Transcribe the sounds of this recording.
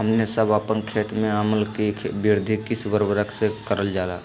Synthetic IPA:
ɦəmnesəbəpənkʰeːt̪mẽaməlkibiɾd̪ʱikisʋəɾbəɾəksekəɾəld͡ʒaːla̰ː

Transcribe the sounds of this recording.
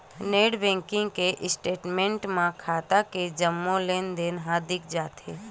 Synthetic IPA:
neːɽbɛ̃ːŋkɪ̃ŋɡkeʔɪsʈeːʈmẽːɳʈmãkʰaːt̪aked͡ʒəmːõleːnd̪enɦaːd̪ɪk̚ʰd͡ʒaːt̪e

